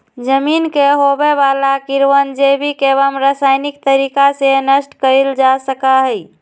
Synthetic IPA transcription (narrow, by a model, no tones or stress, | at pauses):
d͡ʒəminkeɦobebalakiɾwənd͡ʒebʱikeβəmɾasajnik̚t̪əɾikasenəsʈkəld͡ʒasəkaɦəj